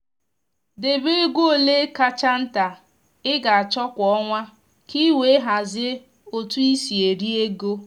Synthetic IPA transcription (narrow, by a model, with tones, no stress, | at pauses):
de˨be˦e˦ɡʷo˦o˨le˦ka˦t͡ʃa˦n̩˦ta˨ | ɪ˦ɡa˨a˨t͡ʃɔ˦kʷɔ˦ŋʷa˦ | ki˦we˨˦ɦa˨zɪ˦ | o˨tu˦i˦si˨e˨ɾi˦e˦ɡo˦